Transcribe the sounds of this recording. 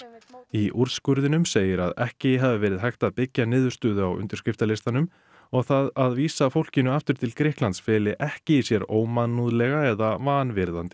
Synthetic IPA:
iʔuɾ̥skʏɾðɪnʏmseːjɪɾa̰ðɛhcɪɦavɪvɛːɾɪðɦajxt̪aðpɪcːanɪːðʏɾ̥st̪ʏːðʏawʔʏ̰nt̪ʏɾ̥skɾɪft̪alɪst̪anʏm | ɔɣθaðaðviːsafowl̥cɪnʏaft̪ʏɾt̪ʰɪlkɾɪhklant̪sfɛːlɪʔɛhcɪisjɛɾoːwmanːuðlɛɣaɛðavaːnvɪɾðant̪ɪ̥

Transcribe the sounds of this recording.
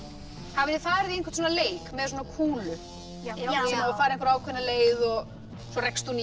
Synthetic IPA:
havɪɪfaːɾɪðienŋkvat̪̬ʰɔːnaleːjkmɛðsoɔːnakʰuːlʏ | naafaːɾɪẽŋkɾaːwkʰvɛnːaleːjðɔɣ | sɔɾɛkst̪un

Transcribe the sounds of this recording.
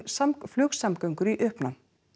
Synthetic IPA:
samflœːxsamkœɥŋkʏɾiʔœːhpnan

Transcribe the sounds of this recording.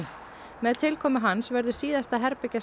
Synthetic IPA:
mɛðt̪ʰɪlkʰɔːmɪɦansvɛɾðʏsiːðast̪aɦɛɾpɛca

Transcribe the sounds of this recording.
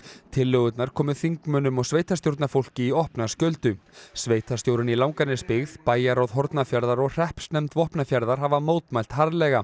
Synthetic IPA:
t̪ʰɪlːœɣʏt̪naɾ̥kʰɔːmʏθiŋkmœːnʏmɔɣsveːjt̪ast̪jowɾt̪nafowl̥cɪiɔhpnascœlt̪ʏsveːjt̪ʰast̪jowɾʏnilawŋkanɪspɪɣðpaːjaɾawðɦɔɾt̪nafjaɾðaɾɔɣr̥ɛhpsnɛmt̪vɔhpnafjaɾðaɾ̥ɦavamoːwt̪majl̥t̪haɾðlɛːɣa

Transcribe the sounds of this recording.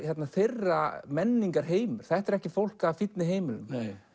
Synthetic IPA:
çjɛt̪naθerːamɛnːiŋkaɾ̥ɦeːjmʏɾ̥θɛht̪ɛɾɛhcɪfowl̥kavfit̪nɪɦeːjmɪlʏm

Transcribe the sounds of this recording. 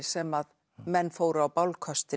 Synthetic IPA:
sɛmað | mɛnːfoːwɾawpawlkʰœst̪ɪ

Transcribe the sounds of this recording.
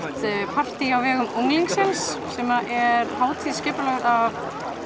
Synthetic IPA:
t̪pʰar̥t̪iawvɛːɣʏmuŋliŋksɪnsːɛmaʔɛɾhaːwt̪ʰiscɪːpʏlœɣðav

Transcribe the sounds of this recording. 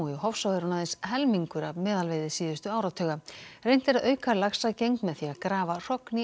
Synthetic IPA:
ɪhɔfsɔwɛɾunaðɪnshɛlmiŋkʏɾavmɛːðalvejðɪsiːðʏst̪ʏaːwɾat̪ʰœːɣarejn̥t̪ɪɛɾaðœːɥkalaxsaðcejŋk̪mɛðθiaðkɾaːvar̥ɔkni

